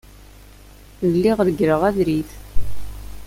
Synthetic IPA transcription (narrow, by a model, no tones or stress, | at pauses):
ðəlːiʁɾɡɾəʁæðɾiθ